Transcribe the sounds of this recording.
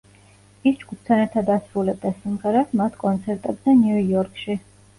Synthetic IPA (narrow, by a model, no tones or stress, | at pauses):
isd͡ʒɡup̚ʰt̪ʰanɛɾt̪ʰad̪asɾulɛb̚d̪asimʁɛɾatmat̪ʰkʼɔnt̪sʰɛɾt̪ʼɛbzɛnjuɔɾkʰʼʃi